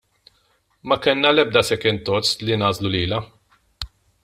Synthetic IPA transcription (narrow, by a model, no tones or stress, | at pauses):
mɐkɛnːɐlɛb̚d̪ɐsɛkɪnt̪ɔt͡slinɐːzluliːlɐ